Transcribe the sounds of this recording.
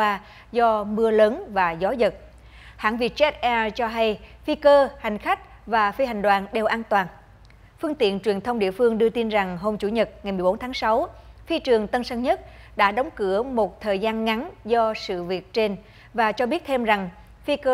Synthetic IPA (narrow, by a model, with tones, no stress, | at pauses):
waː˧ | zɔ˧mɨ˧ələː˨˦nvaː˨˩zɔ˨˦zə˨˩t̚ | ha̰ː˧˥ŋvḭ˧˨˩t͡ɕɛ˦˥t̚ʔɛ˧t͡ɕɔ˧ɦa˧jfi˧kəː˧ha˨˩jŋ̟xa˦˥k̟̚ | vaː˨˩fi˧ha˨˩ŋ̟ɗwaː˨˩nɗe˨˩wʔaː˧nt̪waː˨˩n | fɨ˧əŋt̪ḭ˧˨ənt͡ɕwi˨˩ənt̪ʰə˧wŋ͡mɗḭ˧˨əfɨ˧əŋɗɨ˧ət̪i˧nza˨˩ŋɦo˧mt͡ɕu˧˩ɲə˨˩t̚ŋa˨˩jmɨ˨˩ɓo˨˦nt̪ʰaː˨˦ŋsa˨˦wfi˧t͡ɕɨ˨˩əŋt̪ə˧nsa˧ŋɲə˦˥t̚ɗa̰ː˧˥ɗə˨˦wŋ͡mkɨ˧˩˥əmo˨˩t̚t̪ʰəː˨˩jzaː˧nŋa˨˦nzɔ˧sɨ̰˧˨vi˨˩ət̚t͡ɕe˧n | vaː˨˩t͡ɕɔ˧ɓi˦˥ət̚t̪ʰe˧mza˨˩ŋ | fi˧kəː˧